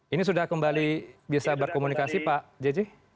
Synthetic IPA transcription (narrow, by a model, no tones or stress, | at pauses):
inis̬udahkəmbalibiasabərkomunikasipaʔd͡ʒɛd͡ʒi